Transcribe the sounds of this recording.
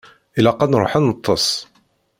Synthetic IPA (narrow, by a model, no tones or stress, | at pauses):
ʔɪlaqɑd̪nɾṵħanət̪ˤʰːəsˤ